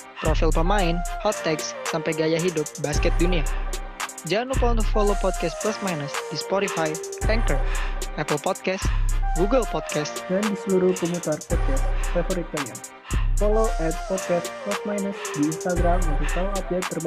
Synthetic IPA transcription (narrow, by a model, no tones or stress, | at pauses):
pɾɔfilpəmaɪnhɔt̪ːɛksːampajɡajaɦidʊp̚baskɛt̪̚dunia | d͡ʒanupɔnt̪ufɔlopɔt̪̚kɛst̪̚plasmajnusdispɔɾifajɛŋkərʔɛpəlpɔd̪̚kɛst̪ɡuɡəlpɔt̪̚kɛst̪̚dandisəluɾuhkɔmũt̪arpɔt̪̚kɛsfafɔɾik̪̚aa | fɔloʔɛt̪̚pɔt̪̚kɛst̪̚plasmajnusdiːnst̪aɡɾamunt̪uk̚t̪awaɔp̚d͡ʒɛk̚t̪ːərb